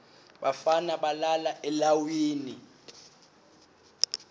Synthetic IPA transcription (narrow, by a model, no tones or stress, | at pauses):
ɓafanaɓalalaʔɛlawiːni